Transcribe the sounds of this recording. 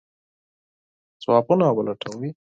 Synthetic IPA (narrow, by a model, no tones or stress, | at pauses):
t͡swaːpunawəlaʈʰawi